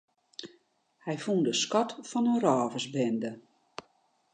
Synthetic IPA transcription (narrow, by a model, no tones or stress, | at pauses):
hɛjfundəskɔtfɔnənrɔːvəszbɛndə